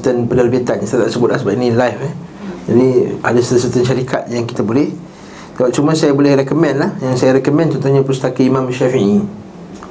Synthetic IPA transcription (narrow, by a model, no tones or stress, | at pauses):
t̪ənpənərbit̪ansajat̪aʔsəbʊt̪̚lahs̬əbapinĩlajfɛd͡ʒadiadasat̪us̬ət̪ənʃaɾikʰat̪̚jaŋki̥t̪abolɛh | səbap̚t͡ʃuməsajabolɛhrɛkomɛ̃nlahjaŋsajaɾɛkomɛ̃nt̪ɔnt̪oɲãpust̪akəimãmʃafii